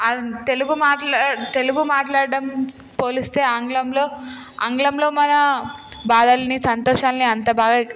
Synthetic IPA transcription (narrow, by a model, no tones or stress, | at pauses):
ɐt̪eluɡumaːʈat̪e̞luɡumaːʈlaːɽɐɽɐm | po̞ːlist̪e̞ːaːŋɡlɐmlo̞ː | a̰ŋɡlɐmlo̞ːmɐnɐbaːd̪ɐlɐnisɐnt̪ɔːʂaːlniɐnt̪ɐbaːɡa